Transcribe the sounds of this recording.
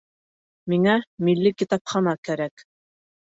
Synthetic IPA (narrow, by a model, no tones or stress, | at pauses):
miŋæmilːikit̪ɑpχɑnɑkæɾæk